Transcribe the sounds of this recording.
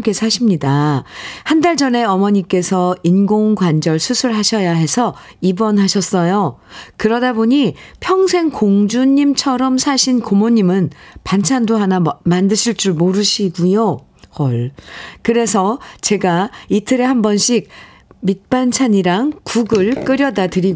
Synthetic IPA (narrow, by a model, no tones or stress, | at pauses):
mke̞sʰaɕʰimɲida | handaɭd͡ʑʌne̞ʌmʌɲik͈e̞sʰʌinɡoŋɡwand͡ʑʌɭsʰusʰɯɭɦaɕʰʌjaɦe̞sʰʌ | ibʌnɦaɕʰʌs͈ʌjokɯɾʌdaboɲipʰjʌŋsʰe̞ŋkoŋd͡ʑuɲːimt͡ɕʰʌɾʌmsʰaɕʰinkomoɲimɯnpant͡ɕʰandoɦanamandɯɕʰiɭt͡ɕ͈uɭmoɾɯɕʰiɡujo | ʌɭkɯɾe̞sʰʌt͡ɕe̞ɡaitʰɯɾe̞ɦambʌnɕʰik̚ | mit̚p͈ant͡ɕʰaɲiɾaŋkuɡɯɭk͈ɯɾjʌdadɯɾi